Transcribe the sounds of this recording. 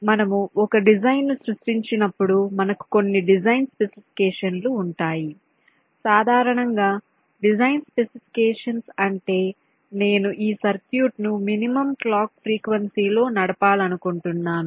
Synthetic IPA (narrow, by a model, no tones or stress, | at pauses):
mɐnɐmuɔkɐɖid͡ʒɐjnːusɾuʂʈiɲt͡ʃinɐpːuɽumɐnɐku̥ko̞nːiɖid͡ʒɐjnspe̞sipʰi̥kɛːʂɐnluːɳʈaːji | saːd̪ʱaːɾɐɳɐŋɡaː | ɖid͡ʒɐjnspe̞sipʰi̥kɛːʂɐnsɐɳʈe̞ː | ne̞ːnuʔiːsɐɾt̪juːʈnuminimɐmklaːkpʰɾiːkʋɐnsiːlo̞ːnɐɽɐpaːlɐnukuɳʈunːaːnu